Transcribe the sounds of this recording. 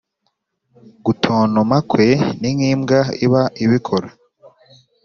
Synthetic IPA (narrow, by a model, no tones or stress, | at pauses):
ɡutʰoːnomakwe̞niŋiːmɡaiβaiβikʰoɾo